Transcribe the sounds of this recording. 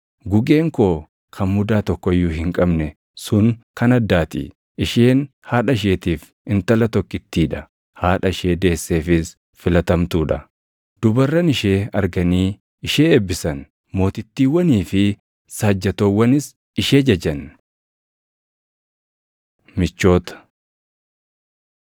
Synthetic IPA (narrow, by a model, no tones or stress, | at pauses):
ɡʊɡe̞ːŋkoː | kʰɐnmʊd̪aːt̪ɔkːɔɪjːʊɦɪŋkʼɐbnɛ | sʊŋkɐnɐd̪ːaːt̪ḭ | ɪʃeːn | haːᶑɐɪʃ̬e̞ːt̪iːf | ɪnt̪ɐlɐt̪ɔkːɪt̪ːiːᶑɐ | haːᶑɐɪʃe̞ːd̪e̞ːsːeːfɪs | fɪlɐt̪ɐmt̪uːᶑɐ | d̪̥ʊbɐrːɐnɪʃe̞ːɐɾɡɐniː | ɪʃeːebːɪsɐn | mo̞ːt̪ɪt̪ːiːwːɐniːfɪ | saːd͡ʒːɐt̪oːwːɐnɪs | ɪʃe̞ːd͡ʒɐd͡ʒɐn | mɪt͡ʃːo̞ːt̪ɐ̥